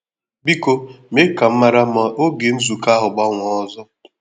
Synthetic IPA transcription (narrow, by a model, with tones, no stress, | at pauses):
bi˦ko˦me˦ka˨m̩˦ma˦ɾa˦ma˨o˦ɡe˨n̩˦zu˨ka˦ɦʊ˨ɡ͡ba˦ŋʷɔ˨ɔ˦zɔ˦